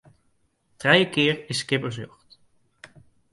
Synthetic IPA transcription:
trɛjəkɪːɹɪsːkɪpəɹsjɔχt

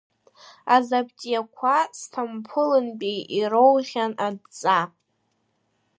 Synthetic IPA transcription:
azabtʼijakʷʰastʰampʰɨlɨnpʼiiɾowʁʲanadt͡sʼa

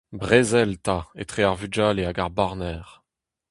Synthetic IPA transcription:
bʁezɛlt̪aḛt̪χeaʁvyd͡ʒaːleaɡaʁbaʁnɛːʁ

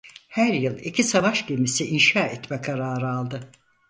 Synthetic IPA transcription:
hæɾjɯlˠicʰisavaʃɟemisiʔinʃaːɛt̪mɛkʰaɾaːɾɯalˠd̪ɯ

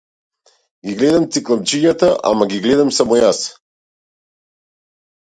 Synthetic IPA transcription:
ɡiɡlɛd̪amt̪siklˠamt͡ʃiɲat̪aʔa̰maɡiɡlɛd̪amsamɔjas

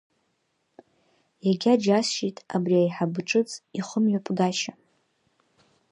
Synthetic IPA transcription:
jaɡʲad͡ʒasʃijtʼabriajħabʈ͡ʂʼɨt͡sʼiχʷʊmjopʼɡaʃa

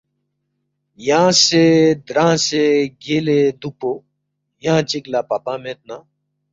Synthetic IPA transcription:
jaãsed̪ɾãːseɡeːled̪upo | jaãt͡ʃɪklaːpaːpãmẽːt̪̚naː

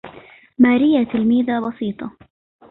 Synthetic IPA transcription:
maːɾɪjːat̪ɪlmiːðabɑsiːt̪ˤɑ

